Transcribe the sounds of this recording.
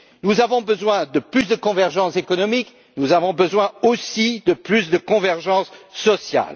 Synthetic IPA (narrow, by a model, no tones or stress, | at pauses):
nuzavɔ̃bəzwɛ̃d̪əplys̬d̪əkɔ̃vɛʁʒɑ̃sekɔnɔmik | nuzavɔ̃bəzwɛ̃osid̪əplysd̪əkɔ̃vɛʁʒɑ̃sːɔsja̰l